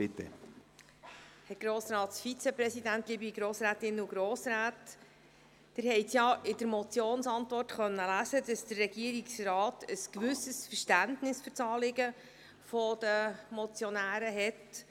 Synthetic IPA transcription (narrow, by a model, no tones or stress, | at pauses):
pɪtɛ̰ | hɛɡ̥ɾoːsɾɑːt̪sfit͡sɛpɾɛsidæntliːbiiɡɾoːsɾæːtɪnəuɡɾoːsɾæːtː | ɪɾhɛɪsjɑʔɪd̥əɾmɔt͡sjoːnsɑntʋɔrtχœnːəlæːzədɑsd̥̪ərrɛɡ̥iəɾiksrɑːtʰəskʋʉsəsfəʃtæntnɪsfʏɾt͡sɑːlɪɡə | fɔd̥əmɔt͡sjɔnæːɾəɦɛt